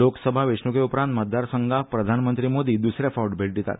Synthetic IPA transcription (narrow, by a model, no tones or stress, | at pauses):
oksəbʱaʋeʂɳukeupɾãnt̪mət̪̚d̪aɾsəŋɡapɾəd̪ʱanmənt̪ɾimod̪iːd̪usɾefɔɾɖbʱeɭʈ̚d̪et̪a̰t̪